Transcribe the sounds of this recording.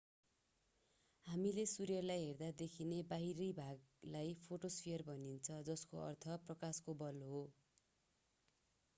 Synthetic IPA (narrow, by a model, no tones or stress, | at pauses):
hamilesuɾjʌrlajɦerd̪ad̪ekʰinebaɦiɾʌjbʱaɡlajpʰoʈospʰijʌrbʌnint͡sʰʌd͡zʌskoʌ̰rt̪ʰʌprʌkaskobʌloɦo